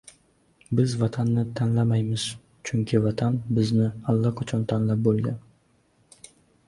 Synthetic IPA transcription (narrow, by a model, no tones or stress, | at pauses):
bɪzvat̪ʰanːɪt̪ʰanlamajmɪz̥ | t͡ʃʰʊŋkʲʰɪvat̪ʰanbɪznɪalːaqʰat͡ʃʰɒnt̪ʰanlap̚bolˠɡʲan